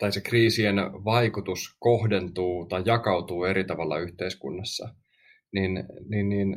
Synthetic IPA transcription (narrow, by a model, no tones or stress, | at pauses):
t̪ɑjsekriːsienʋɑikut̪uskohdent̪uːt̪ɑjːɑkɑut̪uːeɾit̪ɑʋɑlːɑ̰yht̪eiskṵnːɑsːɑ̰ | ninninːin